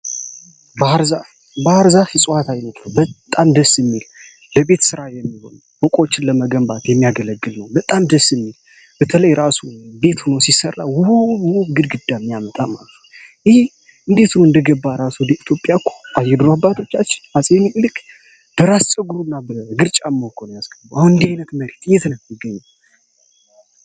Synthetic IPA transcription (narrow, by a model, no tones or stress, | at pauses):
bəaɾza | bəaɾzasisʼwat̪ʰajnət̪ləwbətt̪ʼːamd̪əsːɨmːil | ləbe̞t̪sɨɾajɛmːiho̞̰n | bɔkʼot͡ʃːɪnləməɡəmbat̪jɛmːijaɡələɡːɨlnəwbət̪ʼamd̪əsːɨmːil | b̥ət̪ʰələjɾasube̞t̪hunosisərːa̰wʊhuuɡɨd̪ɡɨd̪ːamːijamət̪ʼama̰lət̪ʰujɪhe | ɨnd̪e̞t̪unoɨnd̪əɡəbːaɾasud̪əit̪ʰjo̞pʼjakʰːu̥ajːɛd̪ɾabːat̪ʰo̞t͡ʃːat͡ʃːɪ̥nasʼenilɨkʼ | b̥əɾast͡ʃʼəɡuɾunːabəɡɨɾt͡ʃʼamːohkʰonjasɡəbuʔahunɨnd̪ihajnət̪məɾet̪ɨjet̪nəwmɪɡːəɲːaw